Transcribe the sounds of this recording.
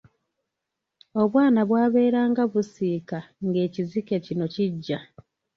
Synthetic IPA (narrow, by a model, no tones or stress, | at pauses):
o̞βwaːnaβwaːβe̞ːɾaːŋɡaβusiːkaŋɡe̞ːcizikecino̞ciɟːa